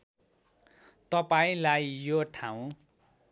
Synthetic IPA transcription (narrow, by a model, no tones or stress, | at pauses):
t̪ʌpaĩlajjoʈʰaw̃